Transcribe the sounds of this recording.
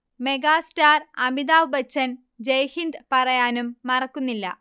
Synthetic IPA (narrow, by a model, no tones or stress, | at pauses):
me̞ɡaːstaːrɐmid̪aːʋbɐt͡ɕːɐn | d͡ʑejhind̪pɐrɐjaːnumːɐrɐkːunːilːɐ̰